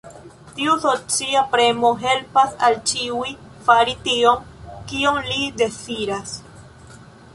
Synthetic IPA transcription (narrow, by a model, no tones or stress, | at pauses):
tiusot͡siapɾe̞moɦe̞lpasalt͡ʃiuj | faɾitio̞mkioŋlide̞t͡siɾas